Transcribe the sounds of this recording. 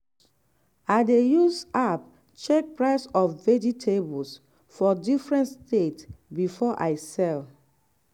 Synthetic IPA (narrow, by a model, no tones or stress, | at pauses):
aɪdejusap̚ | t͡ʃɛk̚pɹaɪsɔfvɛditʰebɔls | fɔdifɹɛ̃ntstetsbifɔʔa̰ɪsɛl